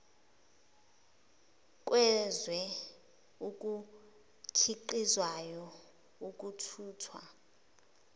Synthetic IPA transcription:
k̬ʼwʔɛzwɛ | uk̬ʼu | tʰiǃizwajɔ | uk̬ʼutʰuːtʰwa̰

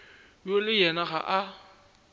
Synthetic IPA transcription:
jolɪjɛnaɣa̰ʔa

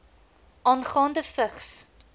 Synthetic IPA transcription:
ʔɑːnχɑːndəfəχs

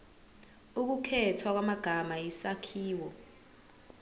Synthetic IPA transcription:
uk̬ukʰɛtʰwak̬wamaɡ̥ʱamajisakʰiːwɔ

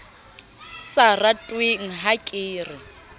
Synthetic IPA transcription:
saratʼwiŋ̩ɦakʼiːrɪ

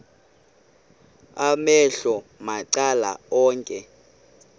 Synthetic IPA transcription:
amɛɬɔmaǀala̰ɔːŋkʼɛ

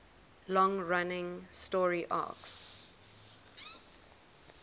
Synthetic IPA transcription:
lɔ̃ŋɹanɪ̃ŋstɔɹiʔa̰ks

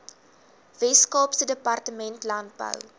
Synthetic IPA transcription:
vɛskɑːpsədəpɐrtəmɛntlɐnt̚bə̰w

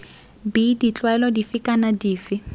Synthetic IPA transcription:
bidit͡ɬʼwaɛlɔdifɪkʼanadiːfɪ

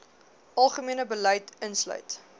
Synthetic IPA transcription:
ʔɐlˠχəmiənəbəlɐjtənslœ̰ɥt

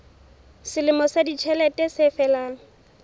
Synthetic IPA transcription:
sɪlɪmɔsadit͡ʃʰɛlɛtʼɛsɪfɛlaːŋ̩

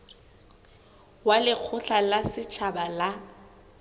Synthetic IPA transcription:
walɪk͡xʰʊɬalasɪt͡ʃʰabala

